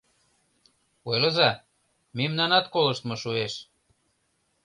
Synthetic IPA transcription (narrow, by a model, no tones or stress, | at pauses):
ojlɤzɑ | memnɑnɑt̪kolə̆ʃt̪mɤʃueʃ